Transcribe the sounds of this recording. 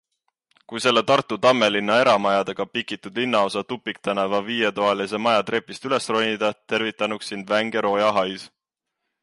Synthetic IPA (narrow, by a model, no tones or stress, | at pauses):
kujse̞lːe̞t̪ɑrt̪ːˑut̪ɑmːe̞linːɑe̞ɾɑmɑjɑd̪̥e̞ɡ̥ɑpikːˑit̪ːˑud̪linːɑo̞sɑt̪upːˑikt̪ænevɑviːjet̪oɑlis̬e̞mɑjɑt̪ɾe̞pːˑist̪yle̞sro̞nʲid̪ɑt̪e̞ɾvit̪ːˑɑnuksːind̪væŋɡe̞ɾo̞ːjɑɦɑjs